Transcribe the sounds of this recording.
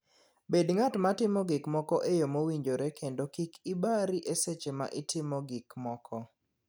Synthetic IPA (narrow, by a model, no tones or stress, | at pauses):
bedŋatmatɪmɔɡikmɔkɔʔejomowiɲd͡ʒoɾekʰendokikibaɾiʔeset͡ʃema̰ʔɪtɪmoɡikmɔkʰɔ